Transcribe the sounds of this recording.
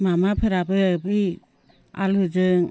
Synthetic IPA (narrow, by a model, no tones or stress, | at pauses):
mamapʰɯɾabɯbɯ | a̰lɯd͡ʒɯŋ